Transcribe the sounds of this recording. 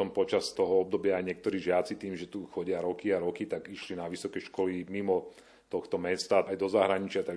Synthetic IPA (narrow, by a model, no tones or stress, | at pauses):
ɔmpɔt͡ʃast̪ɔɦɔɔb̚d̪ɔbɪaːjɲɪɛk̚t̪ɔɾiːʒɪat͡sit̪iːmʒɛt̪uxɔɟɪaɾɔkiaɾɔkit̪aɡiʃlinaʋisɔkɛʃkɔlimimɔ | t̪ɔxt̪ɔmɛst̪aajd̪ɔzaɦɾaɲit͡ʃɪat̪aɡ